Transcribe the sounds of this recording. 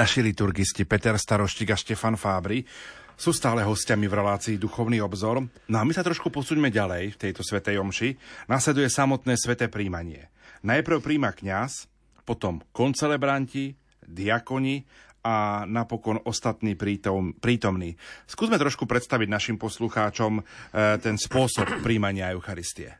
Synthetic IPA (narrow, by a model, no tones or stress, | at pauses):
naʃilit̪uɾɡiscipɛt̪ɛɾst̪aɾɔʃciːɡaʃcɛfanfaːbɾi | suːst̪aːlɛɦɔscamivɾɛlaːt͡siːd̪uxɔʊniːɔbzɔɾ | nɔamisat̪ɾɔʃkupɔsuːɲmɛɟalɛjft̪ɛjt̪ɔsʋɛt̪ɛjɔmʃinaslɛd̪ujɛsamɔt̪nɛːsʋɛt̪ɛːpɾiːmaɲɪɛ | najpɾ̩ʊpɾiːmakɲas | pɔt̪ɔmkɔnt͡sɛlɛbɾanci | d̪iakɔɲi | anapɔkɔnɔst̪at̪niːpɾiːt̪ɔmniːskuːzmɛt̪ɾɔʃkupɾɛt̪st̪aʋiɟnaʃimpɔsluxaːt͡ʃɔmt̪ɛnspʊɔsɔp̚ːɾiːmaɲɪaɛʊxaɾist̪iɛ̰